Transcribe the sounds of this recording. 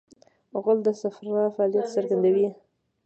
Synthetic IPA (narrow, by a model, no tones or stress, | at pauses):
ɣʊld̪əsafɾɾɑfaɑlijat̪səɾɡand̪awi